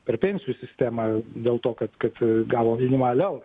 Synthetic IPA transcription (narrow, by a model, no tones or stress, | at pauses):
pʲɛrpʲɛnʲsʲɪjuːsʲɪsʲt̪ʲæːmɐːd̪ʲeːlˠt̪oːkɐt̪kɐt̪ɡɑːʋoːmmʲɪnʲɪmɑːlʲɛʊ